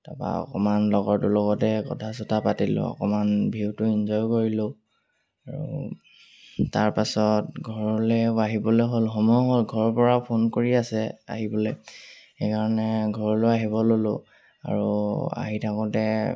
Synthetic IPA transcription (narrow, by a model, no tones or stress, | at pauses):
ta̰pa̰ɔ̰kɔmanlɔɡɔɹtʊlɔɡɔtɛkɔ̰tʰas̬ɔtʰapatilʊ̰̃ɔ̰kɔmanbʱiwtʊinzɔjkoɹilʊ | aɹṵ | taɹpasɔtɡʱɔɹɔlɛaɦibɔlojɦolxɔmɔjɔɦolɡʱɔɹɔpɔɹapʰonkoɹiasɛa̰ɦibɔlɛjxekaɹɔnɛɡʱɔɹɔlojaɦibɔlolʊ | a̰ɹua̰ɦitʰakɔtɛ